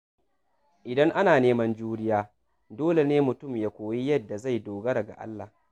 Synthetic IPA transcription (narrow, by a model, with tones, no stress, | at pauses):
ʔɪ˨dɐ˦ŋʔa˦naː˨neː˦mɐ˦nd͡ʒuː˦ɽɪ˦jaː˦ | doː˦le˨neː˦mʊ˨tʊ˦˨mjaː˨kʷoː˨ji˦jɐ˦dːa˨za˦˨jdoː˨ɡɐ˦ɾɐ˨ɡa̰˨ʔa̰˦lːa̰˨